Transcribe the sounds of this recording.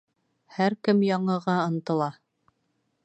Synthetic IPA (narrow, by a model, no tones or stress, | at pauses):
hæɾkɘmjɑɴɤ̆ʁɑɤ̆nt̪ɤ̆lˠɑ